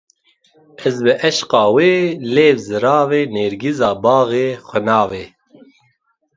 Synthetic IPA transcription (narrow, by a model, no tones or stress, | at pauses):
ɛzbɨʔɛʃqɑːweːleːvzɨɾɑːveːneːɾɡizɑːbɑːɣeːxʷɛnɑːveː